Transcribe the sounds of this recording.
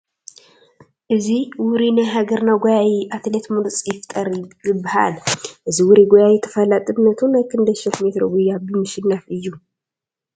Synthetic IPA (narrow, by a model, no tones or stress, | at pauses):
ʔɨziwʊɾinajɦaɡɐɾnaɡojajiʔat̪ʰlet̪muɾt͡sʼjɪft̪ʼɐɾjɨbːaha̰lʔɨziwʊɾiɡojajɛt̪ʰɐ̥fɐlat̪ʼɨbnɐt̪ʰunajkʰɨnd̪ɐʃokmet̪ɾoɡujːabɨmɨʃɪnːafɨjːu